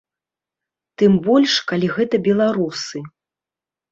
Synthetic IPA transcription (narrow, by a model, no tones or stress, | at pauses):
t̪ɨmbɔlʲʂkalʲiɣɛt̪ɐbʲɛlˠaɾusɨ